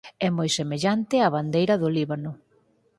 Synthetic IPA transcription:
ɛmojsemeʎant̪ɪaβand̪ejɾɐðoliβanʊ

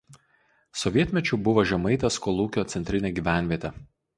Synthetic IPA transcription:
sɔʋʲiɛt̪ʲmʲɛt͡ʃʲʊːˑbʊʋoʒʲɛmɐɪt̪ʲɐskɔlˠuːkʲoːt̪sʲɛnʲt̪ʲɾʲɪnʲeːɡʲiːˑʋʲæˑnʲʋʲiɛt̪ʲɛ

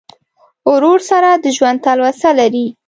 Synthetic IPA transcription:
ʊɾoɾsaɾad̪əʒwand̪̚t̪alwasalaɾi

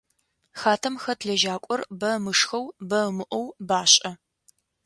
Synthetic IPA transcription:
xaːtʰɐmxɐtʰɮɐʒaːkʷʼɔrbɐmɨʂxɐwbɐmɨʔʷɔwbaːɕʼɐ

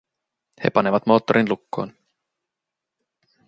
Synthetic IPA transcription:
he̞̰pɑne̞ʋɑt̪mo̞ːt̪ːoɾʔinlukːo̞ːn

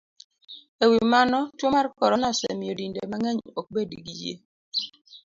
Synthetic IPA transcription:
ewimanɔtwomarkɔɾɔnasɛ̰miodindemaŋɛɲok̚bediɡijḛ

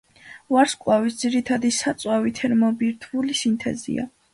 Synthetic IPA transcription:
vaɾskʼwavisd̪z̥iɾit̪ʰad̪isat̪sʼwavit̪ʰɛɾmɔbiɾt̪ʰulisint̪ʰɛ̰zḭa̰

